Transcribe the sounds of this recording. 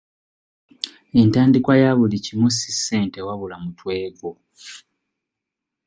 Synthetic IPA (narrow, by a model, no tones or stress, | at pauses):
e̞ntaːndikwajaβulicimusisːe̞ːnte̞waβulamutwe̞ːɡo